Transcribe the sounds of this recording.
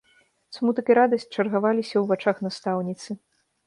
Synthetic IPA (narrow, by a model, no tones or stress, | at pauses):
smut̪ɐkʲiɾad̪ɐsʲt͡ɕʲt͡ʂɐrɣavalʲisʲɐwvat͡ʂaxnast̪awnʲit̪sɨ